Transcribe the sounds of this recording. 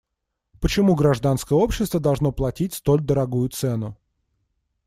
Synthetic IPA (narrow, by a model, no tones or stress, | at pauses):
pət͡ɕɪmuɡɾɐʐd̪anskəjəo̞pɕːɪst̪vəd̪ɐlˠʐno̞plˠɐtʲit̚ʲst̪o̞lʲd̪əɾɐɡujʊt̪sɛnʊ